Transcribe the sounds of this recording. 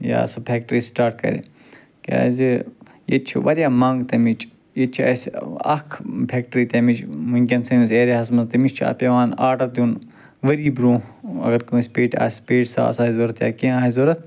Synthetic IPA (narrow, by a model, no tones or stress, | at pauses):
ja̰ːsopʰeːk̚ʈɾiːsʈaːɾʈkɐ̰ɾḛ | kʲḛa̰zi | jet͡ʃʰḭʋɐɾʲjaːmɐŋɡt̪ɐmit͡ʃʼ | jet͡ʃʰiɐsɐ̰kʰpʰeːk̚ʈɾiːt̪ɐmit͡ʃmuŋkʲɐnsɨnizeːɾeɦɐsmɐzt̪imit͡ʃʲt͡ʃʰa̰ːpʲeʋaːnaːʈɐɾt̪ʲuːn | ʋɐɾiːbɾũːɐ̰ɡɐɾkumispeːʈa̰ːsʲpeːʈsa̰ːsaːizoːɾɐt̪ja̰ːkĩːaːizoːɾɐt̪̚ʰ